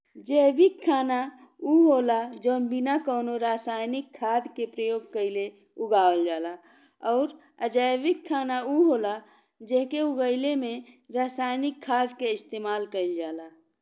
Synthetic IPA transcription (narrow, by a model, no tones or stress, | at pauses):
d͡ʒəjbikʰːana | uɦolad͡ʒəʊnbinakəʊnoɾasajnikʰːad̪ʱkepɾəjoɡ̚kəɪle | uɡaəld͡ʒala | ɔʊɾ | əd͡ʒəjbikʰːanauɦola | d͡ʒeɦkeuɡəɪlemeɾasajnikʰːad̪keist̪emalkəɪld͡ʒala